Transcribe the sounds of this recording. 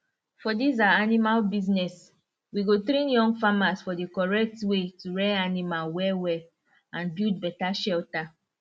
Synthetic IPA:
fɔdizaanimalbiznɛs | wiɡotɾĩnjɔ̃ŋɡfamasfɔdekɔɹɛk̚twetuɹɛanimalwɛwɛ | ãnbild̚bɛtaʃɛlta

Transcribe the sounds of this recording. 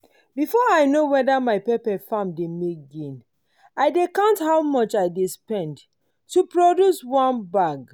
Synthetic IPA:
bifɔaɪnowɛdamaɪpɛpɛfãmdemek̚ɡẽn | aɪdekãnthaʊwmɔt͡ʃaɪdespɛ̃nd | tːupɹodjuswɔ̃nbaɡ

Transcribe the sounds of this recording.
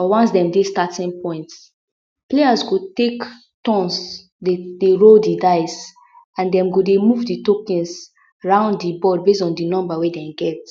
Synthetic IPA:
ɔwɔ̃nsdɛ̃mdestatĩnpɔ̃ɪ̃nts | plejasɡotek | tɔ̃ns | ded̥eɹodidaɪs | ãndɛ̃mɡodemuvditokɛ̃ns | aɹãʊ̃nddibɔdbes̬tɔ̃ndinɔ̃mbawedɛ̃mɡɛt

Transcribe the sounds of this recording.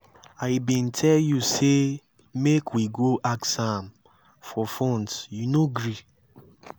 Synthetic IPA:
aɪbĩntʰɛljuse | mekʰwiɡoʔaksãm | fɔfɔ̃ntjunoɡɹi

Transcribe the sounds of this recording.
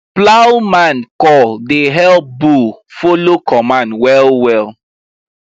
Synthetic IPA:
plaʊwmãnkɔldeɦɛlbufolokɔmãnwɛlwɛl

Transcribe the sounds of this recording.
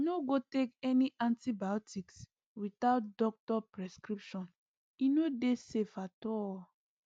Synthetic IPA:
noɡotekɛniʔãntibaɔtiks | witaʊt̚dɔk̚tɔpɹɛskɹipʃɔ̃n | inodesefatɔ

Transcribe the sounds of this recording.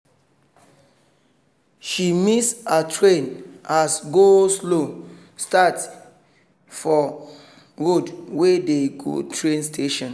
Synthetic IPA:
ʃimisatʰɹẽnasɡoslo | stat | fɔ | ɹodwedeɡo̰tʰɹẽnstʰeʃɔ̃n

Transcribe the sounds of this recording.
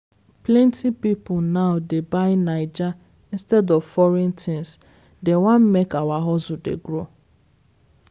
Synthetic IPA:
plɛ̃ntipipʊnaʊdebaɪnaɪd͡ʒa | ĩnstɛdɔvfɔɹɛ̃ntʰĩns | dewãn̩mekawaɦɔzʊdḛɡɾo

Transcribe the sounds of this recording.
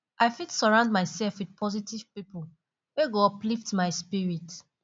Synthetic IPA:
aɪfitsɔɹãʊ̃nd̚maɪsɛlfwid̚pʰɔzitiv̥pipo | weɡoɔpliftmaɪspiɹit

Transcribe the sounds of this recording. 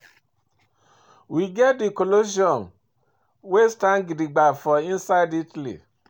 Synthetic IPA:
wiɡɛt̚dikoloʃiɔn | westãnɡidiɡ͡bafɔĩnsaɪditlḭ

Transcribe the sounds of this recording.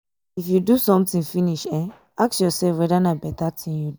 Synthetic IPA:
ifjudusɔ̃mtĩnfĩniʃɛ | aksjɔsɛlfwɛdanabɛtatʰĩnju

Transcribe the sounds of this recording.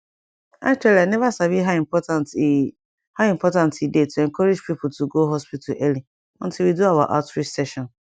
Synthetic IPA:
a̰t͡ʃuɛlianɛvasaviɦaĩmpɔtant | haĩmpʰɔtãntidetʰuɛ̃ŋkʰɔɾid͡ʒpipʰʊtʰuɡoɦɔspitʰalʔɛli | ɔ̃ntʰɪlwiduawa̰ʔatfisɛʃɔ̃n

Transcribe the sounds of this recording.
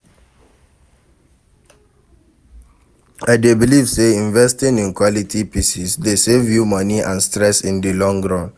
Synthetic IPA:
aɪdebilivseĩɱvɛstĩnĩnkʰwɔlitʰipʰisisdesevjumɔ̃niʔã̰nstɹɛsĩndilɔ̃ŋɡɹɔ̃n

